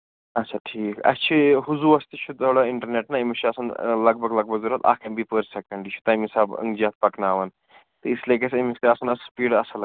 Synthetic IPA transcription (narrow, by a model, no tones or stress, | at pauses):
ɐaʈʰiːkɐ̰st͡ʃʰiɦuzuːɐst̪it͡ʃʰut̪oɽaɪɳʈɐɾneːʈnaimit͡ʃʰiɐsɐnlɐɡbʱɐɡlɐɡ̚bɐɡzuɾɐt̪a̰ːkʰɐmbipəɾsekɐɳɖit͡ʃʰu̥t̪ɐmisaːbɐ̰ŋɡd͡ʒaːt̪̚pɐknaːʋɐn | t̪ɨislek̬esɐmist̪eɐsɐnɐspiːɖɐsɐl